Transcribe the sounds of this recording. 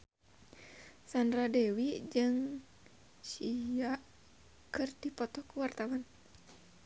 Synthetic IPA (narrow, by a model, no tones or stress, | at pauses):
sandɾadɛwid͡ʒɨŋ | siaʔ | kɨrdipɔt̪ɔkuwart̪awan